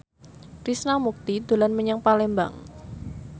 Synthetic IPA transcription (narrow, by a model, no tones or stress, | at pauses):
risnamuk̚t̪id̪̥o̤lanməɲaŋpalɛmba̰ŋ